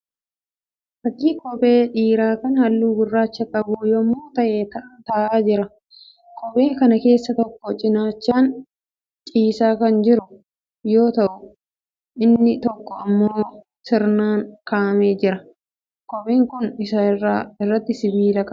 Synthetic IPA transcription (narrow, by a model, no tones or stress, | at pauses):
fɐkːiːkɔpʼe̞ːᶑiːɾaːkɐnɐhɐlːuːɡɪrːaːt͡ʃːɐkʼɐbujoːmːoːt̪ɐʔe̞ːt̪ɐʔɐnt̪ɐːʔaːd͡ʒɪɾɐ | kɔpʼe̞ːŋkɐnɐke̞ːsːɐt̪ɔkːɔt͡ʃʼɪnaːt͡ʃːaːn | t͡ʃʼiːsaːkɐnd͡ʒɪɾʊ | jo̞ːt̪ɐʔʊ | ʔɪnːɪt̪ɔkːɔɐmːoː | sɪɾnaːŋkaːme̞ːd͡ʒɪɾɐ | kɔpʼe̞ːŋkʊnɪsaɪrːaːɪrːɐt̪ːɪsɪbiːlɐkʼɐ